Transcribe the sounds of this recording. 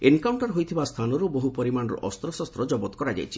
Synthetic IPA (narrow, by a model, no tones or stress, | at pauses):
enkawɳʈɔɾɦojt̪ʰibast̪ʰanɔɾuboɦupɔɾimanɔɾɔ̰ʔɔst̪ɾɔsɔst̪ɾɔd͡ʒɔbɔt̪ɔkɔɾad͡ʒa̰jt͡ʃʰi̥